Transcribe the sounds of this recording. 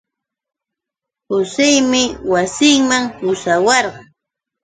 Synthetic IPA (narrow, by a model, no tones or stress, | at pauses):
hʊsɪjmɪwasɪŋmaŋhʊsawɑɾɢɑŋ